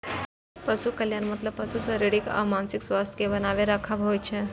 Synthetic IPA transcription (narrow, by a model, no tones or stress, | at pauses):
pəsukəljaːnmət̪ləb̚pəsusəɾiɽika̰ʋmansikswast̪ʰkebənaʋeɾakʰabɦojt͡ʃʰe